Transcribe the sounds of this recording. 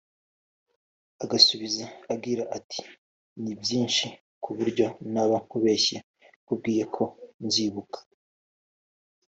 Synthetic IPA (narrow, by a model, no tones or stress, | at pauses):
aɡasuβizaːb̚ɡiːɾaʔatʰi̥ | nibɟiːnʃi | kuβuɾɟo̞naβaŋ̥huβe̞çe | kub̚ɡiːje̞kʰo̞nziːβukḁ